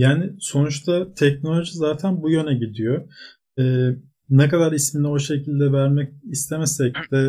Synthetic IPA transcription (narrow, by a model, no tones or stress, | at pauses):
jaːnɪso̞nut͡ʃt̪ʰat̪ʰɛcno̞lʲo̞ʒizaːt̪ʰænbujø̞nɛɟid̪ijo | ɛː | nɛkad̪aɾisminɛo̞ʃe̞cʰilʲd̪ɛvæɾmɛcist̪ʰemɛsɛcd̪̥ɛ